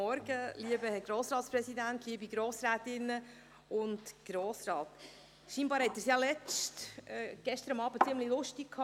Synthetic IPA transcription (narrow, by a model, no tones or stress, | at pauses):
ɔɾɡəliəbəhɛɾɡ̥ɾoːsɾɑːtspɾɛsidæntliəbiɡɾoːsɾæːtɪnːə | ʊndɡ̥ɾoːsɾɑːt | ʃiːnbɑːɾhɛtːɛːɾsjɑlɛt͡stɛɡ̥ɛʃt̪əɾɑmɑːb̥ət͡sɪəmlilʊʃtikkʰːɑ